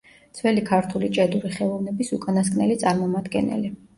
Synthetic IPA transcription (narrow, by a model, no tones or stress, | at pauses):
d̪z̥vɛlikʰaɾt̪ʰulit͡ʃʼɛd̪uɾiχɛlˠɔvnɛbisukʼanaskʰʼnɛlit̪sʼaɾmɔmad̪ɡɛ̰nɛ̰li